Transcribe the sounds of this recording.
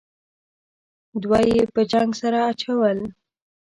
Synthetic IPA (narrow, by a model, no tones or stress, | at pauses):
d̪wajepəd͡ʒaŋɡsaɾaːt͡ʃawəl